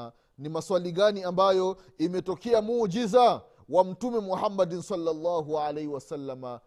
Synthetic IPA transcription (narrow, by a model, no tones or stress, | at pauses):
nimaswaliɠaniambajɔ | imɛtɔkɛamuːd͡ʒiza | wam̩tumɛmuhamːadinsalːalˤːaːɦualaiwasalːama